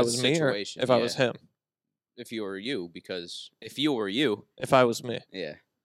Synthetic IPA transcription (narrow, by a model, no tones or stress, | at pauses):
aɪwʌziə˞eɪʃ̩ɨfaɪwʌz̥hɪ̃m | ɨfjɨwə˞jʉbɨkʰʌz̥ɨfjɨwə˞jʉʔɨfaɪwʌzmijæ̰